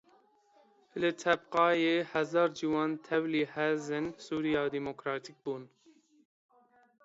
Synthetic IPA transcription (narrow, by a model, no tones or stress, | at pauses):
lɨt̪ʰɛbqɑːjeːhɛzɑːɾd͡ʒiwɑːnt̪ʰɛwliːhɛzɨnsuːɾijɑːd̪imokɾɑːt̪ʰik̚buːn